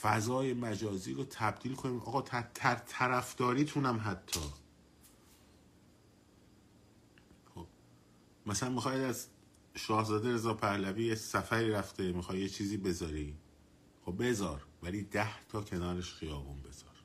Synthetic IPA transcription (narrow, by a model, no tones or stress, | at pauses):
fæzɒːjemæd͡ʒɒːziːɾoːt̪ʰæb̚d̪̥iːlkʰo̞niːmʔɒ̰ːɣɒːt̪ʰæt̪ʰæɾt̪ʰæɾæfd̪̥ɒːɾiːt̪ʰunæmɦæt̪ʰːɒː | xob | mæsælænmixɒːjd̪æz | ʃɒːhzɒːd̪eɾe̞zɒːpʰæhlæviːjesæfæɾiːɾæft̪ʰemixɒːjjet͡ʃʰiːziːbe̞zɒːɾiː | xob̚be̞zɒːɾvæliːd̪æht̪ʰɒːcʰe̞nɒːɾeʃxijɒːbunbe̞z̥ɒːɾ̥